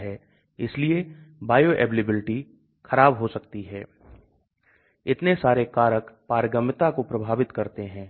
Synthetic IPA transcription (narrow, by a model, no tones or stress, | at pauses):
ɦɛː | ɪsliebaːjoːʔɛ̰ːʋlɪbɪlɪʈi | xʰɐɾaːbɦosɐkt̪iɦɛː | ɪt̪nesaːɾekaːɾəkpaːɾɡəmt̪akopɾɐbʱaːʋɪt̪kɐɾt̪eɦɛ̃ː